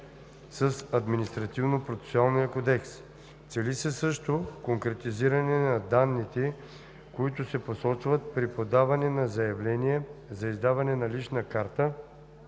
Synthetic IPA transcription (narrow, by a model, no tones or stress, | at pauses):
səsɐd̪minist̪ɾɐt̪ivnopɾot̪sɛ̥soalˠnijəkod̪ɛks | t̪sɛlisəsɤʃt̪okoŋkɾɛt̪iziɾɐnɛnɐd̪anːit̪ɛ | koit̪ʊsɛposɔt͡ʃvət̪̚pɾipod̪avɐnɛnɐzɐjɐvlɛniɛzɐizd̪avɐnɛnɐlit͡ʃnəkaɾt̪ə